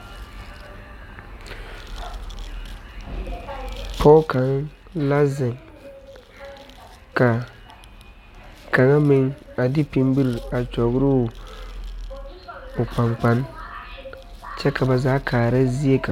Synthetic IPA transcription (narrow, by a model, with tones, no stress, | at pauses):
pʰɔ˦ka˨˦ŋ | la˦zɪ˨ŋ | ka˨ | ka˨ŋa˦mɪ˦ŋa˨dɪ˦pi˨mbi˦ɾi˨a˨t͡ʃɔ˨ɡɾʊ˦˨ | ʊ˨k͡pa˨ŋk͡pa˦n | t͡ʃɛ˦ka˨ba˨zaː˨˦kʰaː˨ɾa˦zi˦e˦ka˨